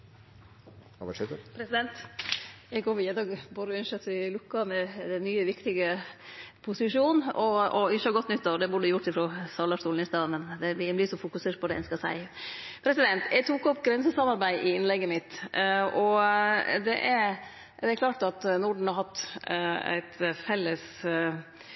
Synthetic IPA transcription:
ʋɑʂɛt̪əpʰɾɛsɪd̪ɛnt̪ | jɛɡoːʋiːəd̪ɑːɡbuːɾəʉnəʂœt̪ːɪlʉkːɑmɛɛnːyːəʋɪkt̪ɪɡə | pʰʊsɪʂuːnɔɔɪçəhɑɾɡɔt̪nʏt̪ːɑʋd̪ɛbʊːɖəjʊʈːɪfɾɔsɑlɑʂt̪uːln̩ɪst̪ɑːd̪mɛnd̪ɛɪblɪsɔfʊkʉseːʈ̚pʰɔd̪ɛɛ̰nskɑsæ̰ɪpʰɾɛsɪd̪ɛnt̪æt̪ʰukɔpːɡɾɛnsəsɑmɑɾbæɪʔɪɪnlɛɡːəmɪt̪ʔɔ | d̪ɛʔæɾ | d̪ɛæɾkʰlɑːʈɑt̪nʊɖɳ̩hɑɾhɑt̪ː | æ̰ɪt̪fɛlːəs

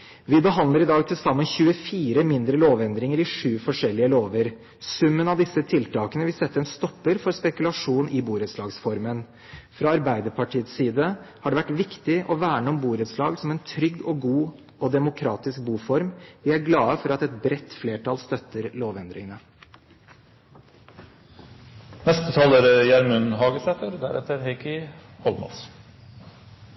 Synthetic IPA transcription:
ʋɪbəɦɑnd̪əɾɪd̪ɑːɡ̚t̪ʰɪlsɑmːənçʉːəfiːɾəmɪnd̪ɾəloːʋɛnd̪ɾɪŋəɾɪʂʉːfɔʂɛlːɪəloːʋəɾ | sʉmːənɑʋd̪ɪsːət̪ʰɪlt̪ʰɑːkənəʋɪlsɛt̪ːəɛnst̪ɔpːəɾfɔɾspɛkʉlɑʂuːnɪbuːɾət̪slɑːɡsfɔɾmən | fɾɑɑɾbæɪd̪əɾpʰɑʈʰiːət̪siːd̪əhɑɖɛʋæʈʋɪkt̪ɪʔɔʋæːɳəɔmbuːɾət̪slɑːɡsɔmɛnt̪ʰɾʏɡːɔɡuː | ɔd̪ɛmʊkʰɾɑːt̪ɪsk̚buːfɔɾmʋɪæɾɡlɑːəfɔɾɑt̪ɛt̪̚bɾɛt̪ːfleːʈɑlst̪œt̪ːəɾloːʋɛnd̪ɾɪ̰ŋənə | nɛst̪ət̪ʰɑːləɾjæɾmʉnɦɑːɡəsɛt̪əɾd̪æ̰ɾɛ̰t̪əɾhɛɪkɪhɔlmɔ̰s

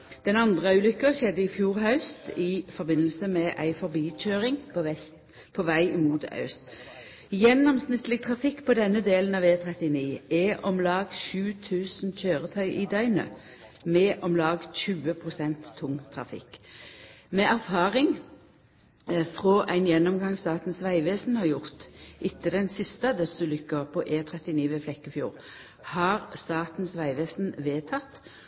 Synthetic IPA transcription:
d̪̥ɛnɑnd̪ʁəʉːlʏkːəʃɛd̪ːəɪfjuːʁhɑʉst̪ɪfɔɾbɪnːəlsəmɛʔæ̰ɪfɔʁbiːc͡çøːʁɪŋpʰɔʋɛst̪ | pʰɔʋæɪɪmuːt̪ɑ̰ʉst̪ | jɛnːɔmsnɪt̪lɪɡt̪ʰʁɑfɪkːpɔd̪ɛnːəd̪eːlən̩ɑːʋeːt̪ʰʁɛt̪ɪniːɛʔɔmlɑːɡʃʉːt̪ʰʉːsnc͡çøːʁət̪ʰœʏʔɪd̪œʏnə̰ | mɛʔɔmlɑːɡc͡çʉːəpʰʁʊsɛnt̪ʰːʊŋt̪ʰʁɑ̰fɪ̰kː | mɛʔæʁfɑːʁɪŋ | fʁɔːʔæɪnjɛnːɔmɡɑŋst̪ɑːt̪n̩sʋæɪʋeːsn̩hɑʁjʊʁt̪ʔɪt̪ːəd̪ɛnsɪst̪əd̪ɛsʉlʏkːəpʰɔʔeːt̪ʰʁɛt̪ɪniːʋɛflɛkːəfjṵːʁ | hɑːʁst̪ɑːt̪n̩sʋæɪʋeːsn̩ʋeːt̪ʰɑt̪

